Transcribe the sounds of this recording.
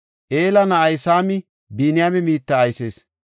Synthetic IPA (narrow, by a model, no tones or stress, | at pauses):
ʔe̞ːlɐnɐɐjsaːmɪ | biːnɪjaːmɛmiːt̪ːɐːjse̞ːs